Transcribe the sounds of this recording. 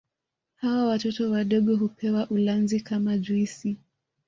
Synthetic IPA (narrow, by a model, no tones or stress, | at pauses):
hawawatɔtɔwaɗɔɠɔɦupʰɛwaʔulanzikamaʄuisi